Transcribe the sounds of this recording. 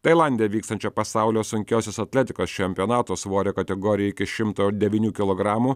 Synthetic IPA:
t̪ɐɪlˠɑˑnʲd̪ʲɪjɛʋʲiːkst̪ɐnʲt͡ʃʲɛpɐsɑˑʊlʲoːsʊŋʲkʲɛʊsʲesɐt̪ʲlʲɛt̪ʲɪkoːst͡ʃʲɛmʲpʲɪɔnɑːt̪oːsʋoːɾʲeːkɐt̪ʲɛɡoːɾʲɪjɛɪkʲɪʃʲɪmt̪oːd̪ʲɛʋʲiːnʲuːkʲɪlˠoːɡɾɑːmuː

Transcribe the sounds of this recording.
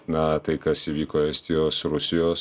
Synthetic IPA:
nɐt̪ɐɪkɐsiːʋʲiːkoːɛsʲt̪ʲɪjoːsɾʊsʲɪjoːs

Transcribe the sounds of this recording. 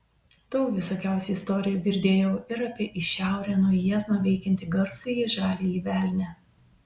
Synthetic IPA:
t̪oʊʋʲɪsoːkʲæˑʊsʲɛɪst̪ɔːɾʲɪjuːɡʲɪɾʲd̪ʲeːjɛʊɪɾɐpʲiɛʔɪʃʲæˑʊɾʲæːnuɔjɛznoːʋʲɛɪkʲɛnʲt̪ʲɪɡɐɾsʊjiʒɑːlʲiiːʋʲæˑlʲnʲæ

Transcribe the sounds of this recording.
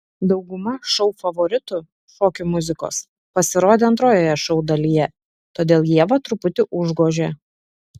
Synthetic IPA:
d̪ɒʊɡʊmɐʃɒʊfɐʋɔɾʲɪt̪ʊ | ʃoːkʲʊmʊzʲɪko̰ːs | pɐsʲɪɾoːd̪ʲeːɐnt̪ɾoːjoːjɛʃɒʊd̪ɐlʲiːjɛ | t̪oːd̪ʲeːlˠjiɛʋɐt̪ɾʊpʊt̪ʲɪʔʊʒɡoːʒʲeː

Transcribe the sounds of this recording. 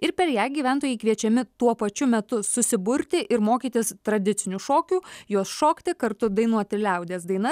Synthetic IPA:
ɪɾpʲɛɾjæːɡʲiːʋʲæˑnt̪oːjɛɪkʋʲiɛt͡ʃʲɛmʲɪt̪uɔpɐt͡ʃʲʊmʲɛt̪ʊsʊsʲɪbʊɾʲt̪ʲɪʔɪɾmoːkʲiːt̪ʲɪst̪ɾɐd̪ʲɪt̪sʲɪnʲuʃoːkʲuːjuɔsʃoːkt̪ʲɪkɐɾt̪ʊd̪ɐɪnuɔt̪ʲɪlʲɛʊd̪ʲeːsd̪ɐɪnɐ

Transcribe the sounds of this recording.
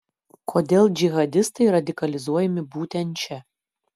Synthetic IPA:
kʰoːd̪ʲeːlˠd͡ʒʲɪɣɐd̪ʲɪst̪ɐɪɾɐd̪ʲɪkɐlʲɪzuɔjɛmʲɪbuːt̪ʲɛnʲt͡ʃʲɛ

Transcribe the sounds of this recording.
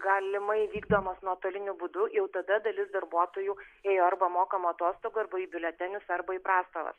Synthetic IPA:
ɡɑːlʲɪmɐɪʋʲiːɡd̪oːmɐsnuɔɐt̪oːlʲɪnʲʊbʊd̪ʊjɛʊt̪ɐd̪ɐd̪ɐlʲɪsd̪ɐɾbuɔt̪oːjuːeːjoːɐɾbɐmoːkɐmuɐt̪oːst̪oːɡʊɐɾbɐiːbʲɪlʲɛt̪ʲɛnʲʊsɐɾbɐiːpɾɑːst̪oːʋɐ̰s

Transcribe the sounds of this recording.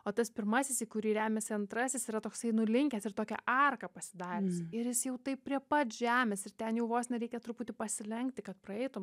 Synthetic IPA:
oːt̪ɐspʲɪɾmɐsʲɪsiːkʊɾʲiːɾʲæːmʲɛsʲɪɐnt̪ɾɐsʲɪsiːɾɐt̪oːksɐɪnʊlʲɪŋʲkʲɛsɪrt̪oːkʲɛ̰ʔɐrkɐpɐsʲɪd̪ɑːɾʲɛsɪɾjɪsjɛʊt̪ɐɪp̚pʲːɾʲiɛpɐt̪ʒʲæːmʲɛsɪrt̪ʲɛnjɛʊʋoːsnʲɛɾʲɛɪkʲɛt̪ɾʊpuːt̪ʲɪpɐsʲɪlʲɛŋkt̪ʲɪkɐt̪pɾɐɛɪt̪ʊm

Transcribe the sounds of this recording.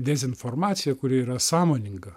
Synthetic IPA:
d̪ʲɛzʲɪnfɔɾmɑːt̪sʲɪjɛkʊɾʲɪiːɾɐsɑːmoːnʲɪŋɡɐ

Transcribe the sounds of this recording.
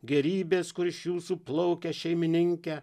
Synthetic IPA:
ɡʲɛɾʲiːbʲeːskʊɾɪʃjuːsuːplˠɔʊkʲɛʃʲɛɪmʲɪnʲɪŋʲkʲɛ

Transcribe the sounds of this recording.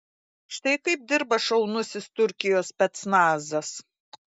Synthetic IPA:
ʃt̪ɐɪkɐɪp̚d̪ʲɪɾbɐʃɐʊnʊsʲɪst̪ʊɾʲkʲɪjoːspʲɛt̪snɑːzɐs

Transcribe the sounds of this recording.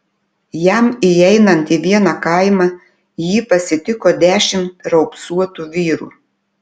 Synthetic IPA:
jæmiɛɪnɐnt̪iːʋʲiɛnɑkɐˑɪmɑ | jiːpɐsʲɪt̪ʲɪkoːd̪ʲæːʃʲɪmt̪ɾɐʊpsuɔt̪uːʋʲiːɾṵː

